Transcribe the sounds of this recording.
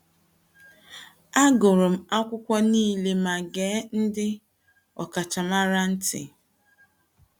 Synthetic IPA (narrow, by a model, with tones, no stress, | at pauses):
a˦ɡʊ˨ɾʊ˨m̩˦a˦kʷʊ˦kʷɔ˦niː˦˨le˨ma˨ɡeː˨˦n̩˦dɪ˦ | ɔ̰˨ka˨t͡ʃa˨ma˦ɾa˦n̩˦tɪ̰˨